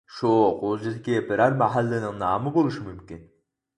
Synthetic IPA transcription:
ʃuqʰod͡ʒid̪ɪkʲibɪɾæɾmæɦælːɪnɪŋnɑːmɨbolˠuʃimymkʲin

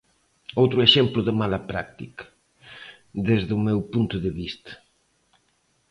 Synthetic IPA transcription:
owt̪ɾʊeʃɛmplʊðɪmalapɾa̰k̚t̪ikɐ̥ | ðezðumewpunt̪ʊðeβist̪ɐ̥

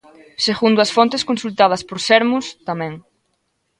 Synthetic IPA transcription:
seɣund̪ʊɐsfont̪eskonsult̪að̞ɐspoɾsɛɾmust̪amɛ̃ŋ

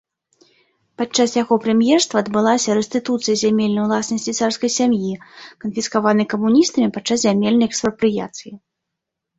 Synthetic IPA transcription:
pat͡ʂːasjaɣɔpɾɛmʲjɛrst̪vɐːd̪bɨlˠasʲɐɾɛsʲt̪ɨt̪ut̪sɨjɐzʲamʲɛlʲnɐjwlˠasnɐsʲt͡sʲit̪sarskɐjsʲamjikɐnfʲiskavanɨkɐmunʲist̪ɐmʲipat͡ʂːaszʲamʲɛlʲnɐjɛkspɾɐpɾɨja̰t̪sɨji

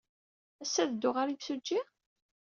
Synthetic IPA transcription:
æsːæðd̪ʊʁaɾiðsud͡ʒːi

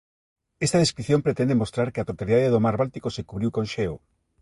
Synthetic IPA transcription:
est̪aðeskɾiθjõmpɾet̪ɛnd̪emost̪ɾaɾkeat̪ɾot̪aliðaðeðomaɾβalt̪ikosekuβɾiwkõnʃeo̰

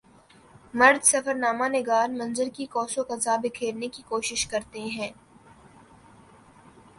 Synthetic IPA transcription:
mɐɾd̪sɐfəɾnaːmanɪɡaːɾmɐ̃nzəɾkikɔːsokɐzaːbɪkʰeːɾnekikoːʃɪʃkɐɾt̪eɦɛ̃ː

